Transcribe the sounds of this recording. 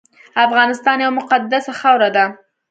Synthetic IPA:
afɣɑnɪst̪ɑnjawmʊqad̪ːasaxawɾad̪a

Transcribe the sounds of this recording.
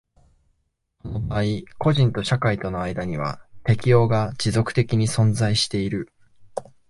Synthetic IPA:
so̞no̞baːiko̞ʑĩnt̪o̞ɕakait̪o̞no̞aid̪aɲ̟iβ̞a̰t̪e̞kʲijo̞ːɡad͡ʑizo̞kɯ̟̥t̪e̞kʲiɲ̟isõ̞nzaiɕi̥t̪e̞iɾɯ̟

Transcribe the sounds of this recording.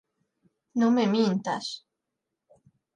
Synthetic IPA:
nomemint̪a̰s

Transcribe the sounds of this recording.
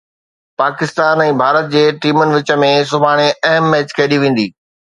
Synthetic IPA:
paːkɪst̪aːnɛ̃ːbʱaːɾət̪̚d͡ʑeːʈiːmʊnɪ̆ʋɪt͡ɕə̆mẽs̬ʊbʱaːɽ̃eɐɦəmːeːt͡ɕkʰɐiɗiʋẽːn̆d̪iː

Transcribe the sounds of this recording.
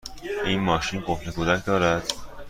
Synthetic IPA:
ʔiːnmɒːʃiːnɡohnekʰoːd̪æcʰd̪ɒːɾæd̪̥

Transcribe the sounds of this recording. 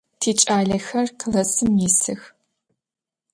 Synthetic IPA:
tʰiːt͡ʃʼaːɮɐxɐrqəlɐsɨmjɪsɨx

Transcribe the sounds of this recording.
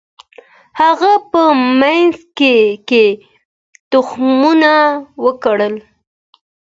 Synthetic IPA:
haɣapəmanzkeke | t̪ʊxmunawəkaɽəl

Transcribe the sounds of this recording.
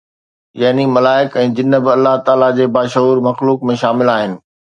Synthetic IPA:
jɐɦnimɐlaːɪkɛ̃ːd͡ʑɪnəbɪɐlːaɦt̪aːlad͡ʑeːbaːʃəɦuːɾmɐxluːkmẽʃaːmɪlaːɦɪnɪ̆

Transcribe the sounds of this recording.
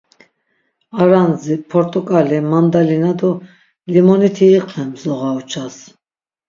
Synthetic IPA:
aɾanzipʰɔɾt̪ʼukʼalimand̪alinad̪u | limɔnit̪ʰiːqʼlɛmzɔʁaut͡ʃʰas

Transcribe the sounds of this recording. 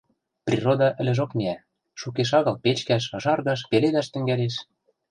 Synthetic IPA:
prʲirod̪ɑʔɘ̆lʲɘ̆ʒokmiæ | ʃukeʃ̬ɑɣɤ̆lpet͡ɕkæʃɤ̆ʒɑrɣɑʃpeled̪æʃt̪ɘ̆ŋɡæleʃ

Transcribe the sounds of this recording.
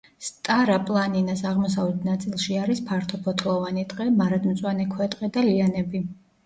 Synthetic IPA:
st̪ʼaɾapʼlˠaninasaʁmɔsavlɛt̪ʰnat̪sʼilˠʃiaɾispʰaɾt̪ʰɔpʰɔt̪ʰlˠɔvanit̪ʼqʼɛmaɾad̪mt̪sʼwanɛkʰwɛt̪ʼqʼɛd̪alianɛbi

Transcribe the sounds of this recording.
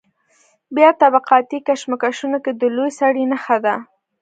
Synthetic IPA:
bjɑt̪abaqɑt̪ikaʃmakaʃunoked̪əlojsaɽinaxad̪a

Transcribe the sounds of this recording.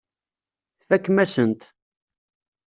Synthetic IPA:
θfækːmæsənt̪

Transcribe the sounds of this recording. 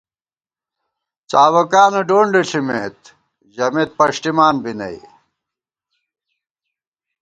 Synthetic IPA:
t͡saːwɐkaːnɐɖoːɳɖeɬʰimḛːt̪ | ʑɐmeːt̪̚pɐɕʈimaːnbinɐ̰ḭ

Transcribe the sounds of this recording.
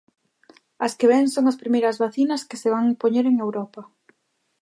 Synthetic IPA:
ɐskeβɛŋsoŋɐspɾimejɾɐzβaθinɐskeseβ̞aŋpoɲeɾeŋewɾɔpɐ

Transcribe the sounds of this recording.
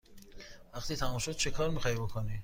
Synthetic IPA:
væqt̪iːt̪ʰæmumʃod̪̥̚t͡ʃʰekʰɒɾmiːxɒhibokʰoni

